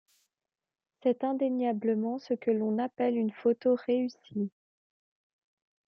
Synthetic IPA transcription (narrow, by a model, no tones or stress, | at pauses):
sɛt̪ɛ̃d̪eɲjabləmɑ̃səkəlɔ̃napɛlynfot̪oʁeysi